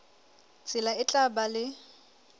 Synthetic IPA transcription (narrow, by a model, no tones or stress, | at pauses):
t͡sʼɪlaɪt͡ɬʼabalɪ